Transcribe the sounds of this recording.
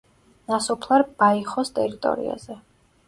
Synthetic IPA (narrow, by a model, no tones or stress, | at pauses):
nasɔpʰlˠaɾbaiχɔst̪ʼɛɾit̪ʼɔ̰ɾḭa̰z̥ɛ